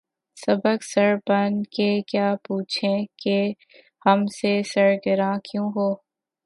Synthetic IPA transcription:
sɐbəksɐɾbənkekjaːpuːt͡ʃʰẽke | hɐmsesɐɾɡəɾãkjũːɦoː

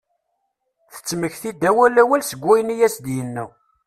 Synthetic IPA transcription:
θə̥t͡sːməçθid̪ːæwælæwælsəɡʷːæjnijæsd̪jənːə

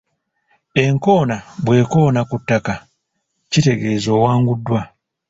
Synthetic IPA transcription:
e̞ŋko̞ːnabwe̞ːko̞ːnakutːaka | cite̞ɡe̞ːzo̞ːwaːŋɡudːwa

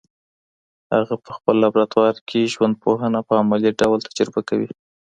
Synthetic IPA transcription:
ha̰ɣapəxpəlːabɾat̪wɑɾkʰeʒwand̪̚poɦənapəamaliɖawlt̪ʰḁd͡ʒaɾbakawḭ

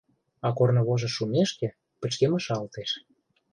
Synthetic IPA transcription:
ɑkornɤ̆βoʒɤ̆ʃumeʃkĕ | pə̆t͡ɕkemə̆ʃɑlt̪eʃ

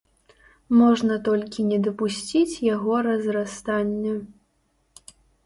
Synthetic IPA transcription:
mɔʐnɐt̪ɔlʲkʲinʲɛd̪ɐpusʲt͡sʲit͡sʲjaɣɔɾɐzɾast̪anʲːɐ

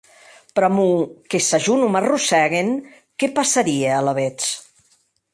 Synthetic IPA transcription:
pɾɔmukesaʒunumarusɛɣen | kɛpasaɾiealaβet͡s

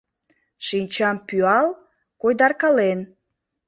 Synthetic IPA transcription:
ʃinʲt͡ɕɑmpyɑl | kojd̪ɑrkɑlen

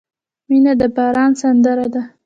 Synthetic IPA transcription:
minad̪əbɑɾɑnsand̪əɾad̪a

